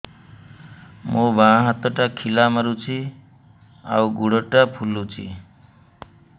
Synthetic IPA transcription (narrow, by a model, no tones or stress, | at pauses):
mobʱãɦat̪əʈakʰilamʌɾut͡sʰi | a̰wɡuɽəʈapʰulːut͡sʰḭ